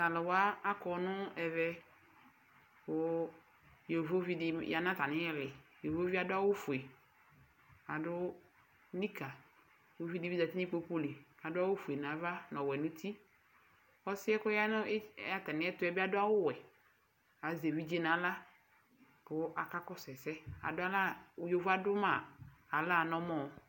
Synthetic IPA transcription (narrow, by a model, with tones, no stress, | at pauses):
ta˨lɪ˨wa˦a˦kɔ˨nʊ˦ɛ˨vɛ˦ | kʊ˨ | jo˨vo˦vi˦dɪ˨ja˨nã˦ta˨nɪ̃˦ɛ˦lɪ˨jo˨vo˦vi˦a˨dʊ˦a˦wʊ˦fu˨e˨ | a˨dʊ˦ | ni˦ka˨ | jvi˦di˨˦vi˦da˨ti˦nĩ˦k͡po˦k͡po˦li˨a˨dʊ˦a˦wʊ˦fu˨e˨n˨a˨˦va˦nɔ˨wɛ˨nʊ̃˦tʰi˦ | ɔ˦sɪ˦ɛ˦kʊ˦ja˦n˦a˦ta˨nɪ̃˦ɛ˦tʊ˦ɛ˦bɪ˦a˦dʊ˦a˦wʊ˦wɛ˨ | a˨ze˨vi˦d͡ʒe˦na˨˦la˦ | pʊ˦a˨ka˦kɔ˦sɛ˨sɛ˦a̰˨dʊ˦a˦la˦jo˨va˦dʊ˦ma˨a˨la˦˨nɔ˦mɔ˦˨